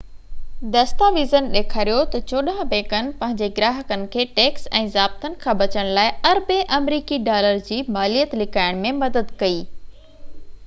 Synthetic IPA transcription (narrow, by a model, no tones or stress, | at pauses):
d̪ɐst̪aʋiːzənɗeːkʰaːɾijot̪ɐt͡ɕoːɗãbẽːkənɪ̆pɐ̃ɦɪ̃ɲd͡ʑeɡɾaːɦəkənɪ̆kʰeːʈeːksɛ̰̃ːzaːb̚t̪ənɪ̆kʰãːbɐt͡ɕəɽ̃laːɪɐɾbeʔɐmɾiːkiɖaːləɾd͡ʑiːmaːlijət̪lɪkaːɪɽ̃mẽmɐd̪əd̪kɐiː